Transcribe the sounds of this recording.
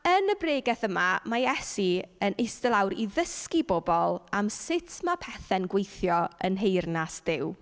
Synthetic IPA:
ənəbreːɡɛθəmamajɛsiənejstəlˠawɾiðəskibobɔlˠamsɪtʰmapʰɛθɛnɡwejθjɔənɦejrnasd̥ɪw

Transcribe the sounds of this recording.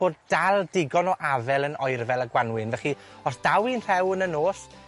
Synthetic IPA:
b̥oːd̚d̥alˠdɪɡɔnɔʔavɛlˠənɔɨrvɛlˠəɡwanwɪnvɛχi | ɔsd̥awinr̥ɛwənənoːs

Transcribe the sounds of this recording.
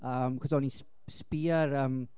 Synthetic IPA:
əːmkʰədɔnis | spiəɾəːm

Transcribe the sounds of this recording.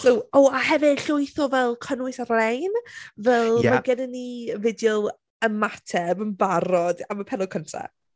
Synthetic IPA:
kuoaɦɛvɪ̥ɬʊɨθɔvɛlˠkʰənwɨsarɛjnvɛlˠmaɡədənːivɪdjɔlˠ | əmatʰɛbəmbaɾɔdamapʰɛnɔkʰəntʰa̰

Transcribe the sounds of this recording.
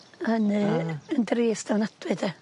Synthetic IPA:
ənɨəndriːsd̥awnadwɨd̥ɛ

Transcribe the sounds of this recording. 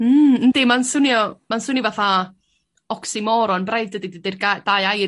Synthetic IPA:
əndimansʊnjɔmansʊnivaθa | ɔksimɔɾɔnbrajvdədidədɪrɡad̥ajaj

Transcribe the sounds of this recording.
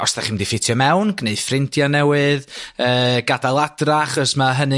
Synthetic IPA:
ɔstaχɪmdifɪtʰjɔmɛwnɡneɨdfrɪntʰjanɛwɨðəːɡ̥adalˠadraaχɔsmaɦənɨ

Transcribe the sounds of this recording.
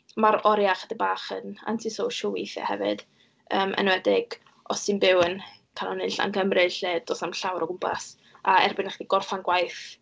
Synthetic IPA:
maɾɔɾjaχədəbaːχəna̰ntʰisowʃɔlˠwiθja̰hɛ̰vɨ̰d̥ | əːmʔə̰nwɛdɪɡ̥ | ɔsɨnbɪwənkʰanɔnɪɬa̰nkʰəmrɨɬeːdosnamɬawɾɔɡʊmpʰa̰s | aɛrbɪnəχdiɡɔrfanɡwajθ

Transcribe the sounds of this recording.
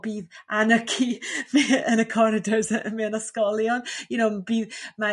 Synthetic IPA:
b̥iːðanəkʰimiənəkʰɔɾɪdəsəmiənɔskɔlˠjɔnjʊnowmbiːðma

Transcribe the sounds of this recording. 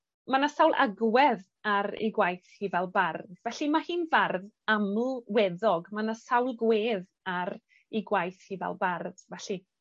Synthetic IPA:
manasawlˠʔa̰ɡwɛð | aɾḭɡwajθhivɛlˠbardvɛɬimahiːnvarð | aml̩wɛðɔɡmanasawlˠɡweːð | aɾ | iɡwajθhivɛ̰lˠbard̥vɛɬi

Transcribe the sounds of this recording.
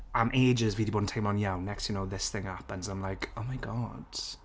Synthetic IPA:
ãmʔeɪd͡ʒɪzviːdibodⁿntʰãɪ̃mə̃njaʊ̃nːɛkstʰjənoʊðɪsθɪ̃ŋhapə̃nzãɪ̃mlaɪkoʊmaɪɡɔ̰d̥

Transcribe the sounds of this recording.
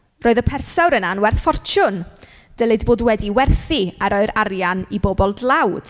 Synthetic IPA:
roːɨðəpʰɛrsawɾənanwɛrθfɔrt͡ʃʰʊn | d̥əlˠɨdboːdwɛdiwɛrθiaɾoɨɾaɾjanibobɔlˠdlˠawd̥

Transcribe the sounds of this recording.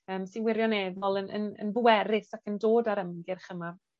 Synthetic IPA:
əːmsiwɪɾjɔnɛðɔlˠənə̰nə̰nbuɛɾɪsakəndoːdaɾəmɡɪrχəma

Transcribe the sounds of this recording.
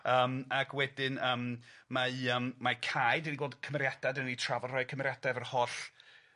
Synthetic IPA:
əːmakʰwɛdɪnəːmmaɨəːmmakʰajdiniwoːlˠd̥kʰəmɛɾjadadənnitʰravɔrɔɨkʰəmɛɾjadavərhɔɬ

